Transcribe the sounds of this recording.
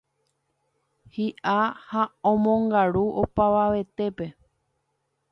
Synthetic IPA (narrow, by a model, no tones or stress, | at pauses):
hiʔahaõmõŋɡaɾuʔo̞paʋaʋe̞t̪e̞pe̞